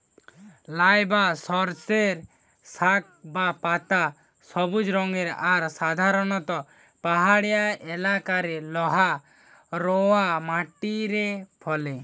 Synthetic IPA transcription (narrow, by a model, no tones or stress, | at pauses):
lajbasɔɾseɾ | sak̚bapat̪a | sɔbud͡ʒɾɔŋɡeɾaɾsad̪ʱaɾɔnɔt̪ɔ | paɦaɽɛjaɛlakaɾɛlɔɦa | ɾɔamaʈiɾɛpʰɔle